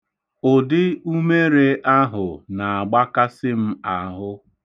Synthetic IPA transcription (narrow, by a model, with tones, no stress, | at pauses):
ʊ˨dɪ˦u˦me˦ɾe˦ʔa˦ɦʊ˨na˨a˨ɡ͡ba˦ka˦sɪ˦m̩˦a˨ɦʊ˦